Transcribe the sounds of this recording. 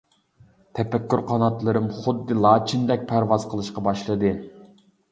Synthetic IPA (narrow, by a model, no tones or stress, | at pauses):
t̪ʰɛpɛkʲːyɾqʰɑnɑt̪lˠɨɾɨmχʊd̪ːɨlˠɑːt͡ʃʰind̪ɛk̚ʲpʰæɾvɑz̥qʰəlˠɨʃqɑbɑʃlˠɨd̪ɨ